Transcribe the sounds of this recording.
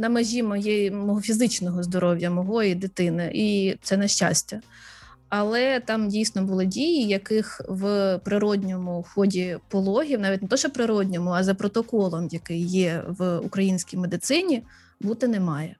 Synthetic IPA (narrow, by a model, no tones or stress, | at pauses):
nɐmɐʒʲimɔjɛmɔɦɔfʲizɪt͡ʃnɔɦɔzd̪ɔɾɔwjɐmɔɦɔjid̪ɪt̪ɪnɪʔit̪sɛnɐʃt͡ʃa̰sʲtʲɐ | ɐlˠɛt̪ɑmdʲijsʲnɔbʊlˠɪdʲijijɐkɪxʋpɾɪɾɔdʲnʲɔmʊxɔdʲipɔlˠɔɦʲiwnɑʋʲitʲnt̪ɔʃɔpɾɪɾɔdʲnʲɔmʊɐzɐpɾɔt̪ɔkɔlˠɔmjɐkɪjːɛʋṵkɾɐjinʲsʲkʲijmed̪ɪt̪sɪnʲi | but̪ɪnɛmɑjɛ